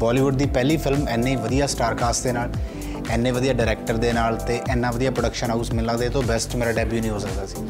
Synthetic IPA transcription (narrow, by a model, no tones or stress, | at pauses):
bɔːliːʋʊɖd̪iːpɛːliːpʰɪlmɛːnːeːʋəd̪ijaːsʈaːɾkaːsʈd̪eːnaːl | ɛːnːẽːʋəd̪ijaːɖaːɾɛːk̚ʈəɾd̪eːnaːlt̪eːʔɛːnːãːʋəd̪ijaːpɾoɖəkʃənausmɪlad̪eːt̪õːbɛsʈmeːɾaːɖɛːbjuːnĩːɦoːsəkd̪aːsi̥ː